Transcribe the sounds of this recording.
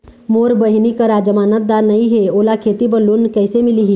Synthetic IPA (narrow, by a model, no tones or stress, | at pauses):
moːɾbəɦɪnikaɾad͡ʒəmaːnət̪̚d̪aːɾnɐɦĩɦeoːlakʰeːt̪ibəlːʊnkɛːsemɪliɦi